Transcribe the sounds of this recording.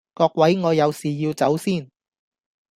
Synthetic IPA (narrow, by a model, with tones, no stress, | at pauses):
kɔː˧k̚wɐ˨˥jŋɔː˨˧jɐ˨˧wsiː˨jiː˧wt͡sɐ˨˥wsiː˥˩n